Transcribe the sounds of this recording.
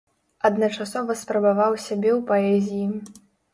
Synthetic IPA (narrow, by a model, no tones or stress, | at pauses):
ɐd̪nɐt͡ʂasɔvɐspɾɐbavawsʲabʲɛwpaɛzʲiji